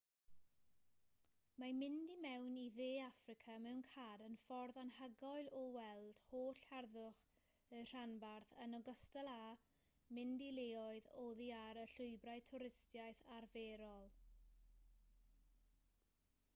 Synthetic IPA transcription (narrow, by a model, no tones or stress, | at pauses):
mamɪndimɛwniðeːafrɪkʰamɛwnkʰaːɾənfɔrðanhəɡɔɨlˠɔwɛlˠd̥hoːɬhɛrðʊχ | ər̥anbarθənɔɡəstəlˠa | mɪndileɔɨðɔðiaɾəɬʊɨbraɨtʰʊɾɪstjajθarveːɾɔlˠ